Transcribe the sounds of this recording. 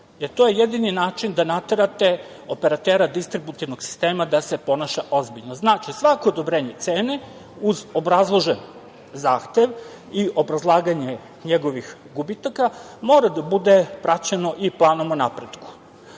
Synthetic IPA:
jeɾt̪ojejed̪ininaːt͡ʃind̪anat̪eɾat̪e̞ | o̞pe̞ɾat̪eːɾad̪ist̪ɾibut̪iʋnoɡsi̥st̪e̞ːmad̪ase̞po̞naʃaʔo̞zbiʎnoznaːt͡ʃisʋako̞ːd̪o̞bɾeːɲet̪se̞ːne | uzo̞bɾazlˠo̞ʒen | zaːxt̪e̞ʋ | iʔo̞bɾazlˠaːɡaɲe̞ | ɲeɡo̞ʋixɡubit̪aka | mo̞ːɾad̪abud̪e̞pɾat͡ɕeno̞ʔiplˠaːnomonapɾed̪ku̥

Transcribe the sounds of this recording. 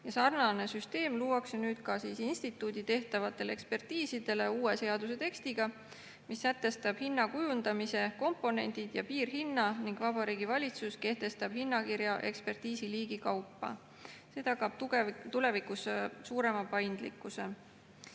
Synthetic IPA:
jɑsɑrnɑne̞syst̪e̞ːmluːɑksenyːd̪̥kɑsiːsinst̪it̪ːˑuːd̪̥it̪e̞ht̪ɑvɑt̪ːˑe̞lekspe̞rt̪iːsid̪̥e̞le̞uːe̞se̞ɑd̪use̞t̪e̞kst̪iɡ̥ɑ | misːæt̪ːˑe̞st̪ɑb̥hinːɑkujund̪̥ɑmise̞ko̞mpːo̞ne̞̰nʲd̪̥id̪̥jɑ̰piːrɦinːɑniŋɡ̥vɑbɑɾiːɡ̥ivɑlʲit̪suske̞ht̪e̞st̪ɑb̥hinːɑkiɾjɑʔe̞̰kspe̞rt̪iːsiliːɡ̥ikɑwpːɑ̰ | se̞ːt̪ɑkɑb̥̚t̪ule̞vikussuːɾe̞mɑpɑjnd̪̥lḭkːˑuse̞

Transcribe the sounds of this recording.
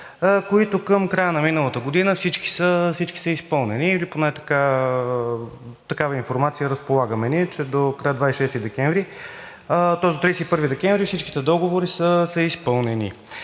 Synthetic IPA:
koit̪ʊkəmkɾajənɐminəlˠət̪əɡod̪inəfsit͡ʃki̥səfsit͡ʃki̥səispɤlˠnɛniːliponɛt̪ɐ̥ka | t̪ɐkavəinfoɾmat̪sijəɾəspolˠaɡəmɛniɛt͡ʃɛd̪okɾajəd̪vaisʃɛst̪id̪ɛkɛɱvɾi | t̪ɔzd̪ot̪ɾist̪ipɤɾvid̪ɛkɛɱvɾifsit͡ʃki̥t̪ɛd̪ɔɡovoɾisəsəispɤlˠnɛnḭ

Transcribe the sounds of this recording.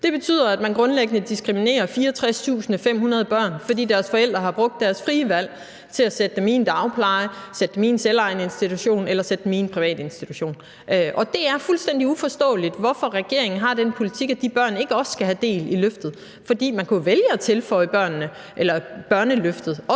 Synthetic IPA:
d̥e̝b̥e̝t͡sʰy̰ð̰ˠɐæd̥mænɡ̥ʁɔ̽nleɡ̥ənəd̥isɡ̥ʁimine̝̰ːɐfiːɐɒt͡sʰʁast͡sʰṵːsn̩fem̰hunɐð̞ˠəb̥ɶɐ̰nfɒ̽d̥ḭːd̥æɐsfɒ̽el̰d̥ʁɐɦɑ̈b̥ʁɔ̽ɡ̥̚d̥ːæɐsfʁiːəʋæl̰ | t͡sʰe̝læsed̥əmiːnd̥ɑ̈ʊpʰlɑ̈ɪsed̥əmiːnselɑ̈ɪnəe̝nsd̥it͡sʰuɕo̝̰ːnelɐsed̥minpʰʁiʋɛ̰ːd̥e̝nsd̥it͡sʰuɕo̝̰ːn | ʔʔɒ̽d̥e̝æɐfulsd̥en̰d̥iufɒ̽sd̥ɔ̰̽ːlid̥ʋɒfɒ̽ʁɛɡ̥e̝ɐe̝ŋn̩ɦɑ̈d̥enpʰo̝lit͡sʰiɡ̥æd̥ib̥ɶɐ̰ne̝ɡ̥əɒ̽ssɡ̥æɦæd̥e̝̰ːliløfd̥ð̩ˠ | fɒ̽d̥ḭːmænkʰuʋeljəæt͡sʰe̝lfɒ̽ɪəb̥ɶɐ̰nːə | ʔelɐb̥ɶɐnəløfd̥ð̞̩ˠɒ

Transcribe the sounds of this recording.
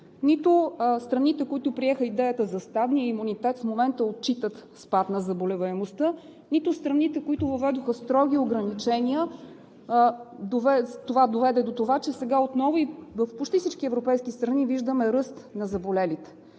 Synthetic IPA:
nit̪ost̪ɾɐnit̪ɛkoit̪ʊpɾiɛxəid̪ɛjət̪əzɐst̪ad̪nijəimunit̪ɛt̪fmomɛnt̪əot̪̚t͡ʃit̪ət̪spat̪nɐzɐbolɛvɐɛmost̪ə | nit̪ost̪ɾɐnit̪ɛkoit̪ʊvɐvɛd̪oxəst̪ɾɔɡʲioɡɾɐnit͡ʃɛnʲiə | d̪ovɛt̪ovad̪ovɛd̪ɛd̪ot̪ovat͡ʃɛsɛɡaot̪nɔvivəfpot͡ʃt̪ifsit͡ʃkiɛvɾopɛjskʲist̪ɾɐniviʒd̪əmɛɾɤst̪nɐzɐbolɛlit̪ɛ̥

